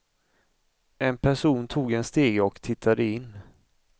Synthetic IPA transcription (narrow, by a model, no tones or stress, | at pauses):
ɛnpʰæʂuːnt̪ʰuːɡɛnst̪eːɡɔkt̪ʰɪt̪ʰːad̪əɪnː